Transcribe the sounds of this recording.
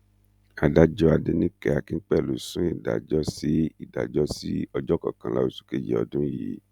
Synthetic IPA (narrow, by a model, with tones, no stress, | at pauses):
a˨da˧d͡ʒɔ˦a˧de˧nĩ˦kɛ˧˨a˨kĩ˨˦k͡pɛ˦˨lo˨sũ˦i˦˨da̰˨d͡ʒɔ˦si˨˦i˦˨da̰˨d͡ʒɔ˦si˦ɔ˧d͡ʒɔ˦kɔ̰˨kã˧˨la̰˧o˧su̥˦ke˧d͡ʒɛ̰˨ɔ̰˨dũ˦i˨˦